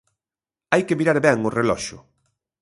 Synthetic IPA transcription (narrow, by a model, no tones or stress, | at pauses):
ajkemiɾaɾβɛŋʊrelɔʃʊ̰